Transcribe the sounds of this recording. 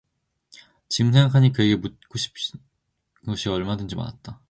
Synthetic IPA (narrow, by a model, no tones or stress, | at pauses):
t͡ɕims̬ʰe̞ŋɡakʰaɲikɯe̞ɡe̞mut̚k͈oɕʰi̥p̚ | ɡʌɕʰiʌɭmadɯnd͡ʑima̰na̰t̚t͈a